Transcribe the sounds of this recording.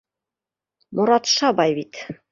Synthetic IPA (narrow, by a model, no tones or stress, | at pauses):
mŏɾɑt̪ʃɑbɑjbit̪